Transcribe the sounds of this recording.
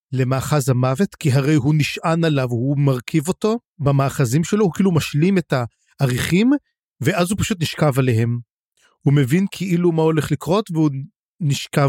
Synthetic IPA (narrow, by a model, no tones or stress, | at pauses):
le̞maːχazhamave̞tkiɦaʁe̞jɦuniʃʔanalavhumaʁkʰivo̞to̞ | bamaːχazimʃe̞lo̞hukiilumaʃlimetaː | ʁiχim | ve̞ʔazhupḁʃut̬niʃkavaleɦe̞m | hume̞vinkʰeʔilumao̞le̞χlikʁo̞tveu | niʃkav